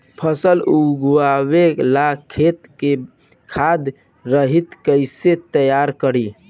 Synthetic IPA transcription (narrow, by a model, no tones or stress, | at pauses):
pʰəsəluɡuaβelakʰːet̪ke | kʰad̪ | ɾəɦit̪kəɪset̪əjaɾkəɾi